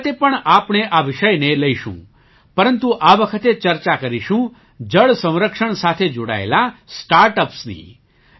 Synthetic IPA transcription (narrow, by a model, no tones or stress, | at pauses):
t̪epəɳapɳeʔaʋɪʃəjneləiʃṵ̃ | pəɾənt̪uʔaʋəkʰət̪et͡ʃəɾt͡ʃakəɾiʃũ | d͡ʒəɭsə̃w̃ɾəkʃəɳsat̪ʰed͡ʒoɽa̰ḛlasʈaɾʈəpsnḭ